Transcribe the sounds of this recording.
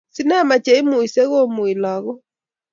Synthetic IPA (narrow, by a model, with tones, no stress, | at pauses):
si˦nɛ˦ma˨t͡ʃɛ˨i˦mo˨i˨sɛ˦ɣo˦mwi˨laɣɔ˦